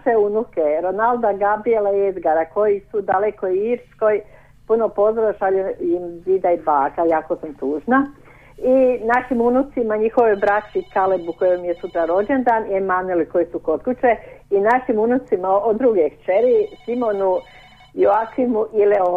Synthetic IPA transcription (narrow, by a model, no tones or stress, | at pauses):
ʃeunukeɾonald̪aɡabielaied̪ɡaɾako̞jisud̪alekoiiːɾskoj | punopo̞zoɾaʃaleimzid̪aibaːkajaːkosamt̪uːʒna | inaʃimunut̪simaɲixo̞ʋojbɾat͡ʃikalebukojomijesut̪ɾaɾo̞d͡ʒend̪aːniemanelikojisukot̪kut͡ʃeinaʃimunut̪simaod̪ɾuɡekt͡ʃeɾisimo̞nu | joakimuʔileo